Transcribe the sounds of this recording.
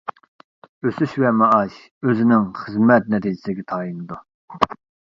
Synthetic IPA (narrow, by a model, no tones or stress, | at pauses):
øsyʃvɛmɑɑʃ | øzɪnɪŋχəzmɛt̪̚nɛt̪ʰid͡ʒɪ̥sɡʲɛt̪ʰɑːjinɨd̪u